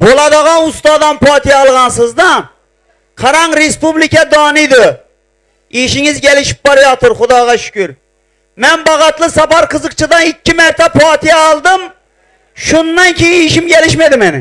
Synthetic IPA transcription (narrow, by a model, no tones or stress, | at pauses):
bolˠɑd̪əʁɑnust̪ɑːd̪ɑnpʰɑːt̪ʰɨjɛːlˠʁɑnsɨzd̪ɑ | qʰɑɾɑŋɾespublikʲɛd̪ɑːnɨd̪ʊ | iʃiŋɪzɡʲɛlɪʃi̥p̚bɑɾɪjɑt̪ʊɾχʊd̪ɑːʁɑʃʊ̥kʲyɾ | mɛnbɑʁɑt̪lˠɨsɑpɑɾqʰəzəq̚t͡ʃʰɨd̪ɑnikʲːimæɾt̪ʰɛpʰɑːt̪ʰijɛːlˠd̪ɨm | ʃunːɑnkʲʰejɪiʃimɡʲɛlɪʃmɛd̪ɪmɛnɪ